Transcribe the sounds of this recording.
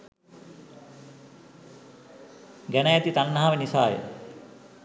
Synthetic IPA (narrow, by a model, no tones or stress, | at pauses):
ɡænəjæt̪it̪anːaɦaʋenisaːjḛ